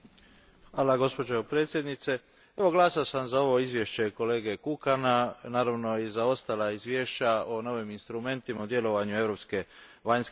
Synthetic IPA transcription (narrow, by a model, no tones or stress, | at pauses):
xʋalaɡo̞spo̞d͡ʑopɾe̞ːt̪sʲjed̪nit̪se̞ | e̞ʋo̞ɡlaːsasamzao̞ʋoizʋje̞ʃt͡ɕe̞ko̞le̞ːɡe̞kukananaːɾaʋno̞izao̞st̪alaizʋje̞ːʃt͡ɕaono̞ʋiminst̪ɾume̞nt̪imaud̪je̞lo̞ʋaɲue̞ʋɾo̞pske̞ | ʋaɲsk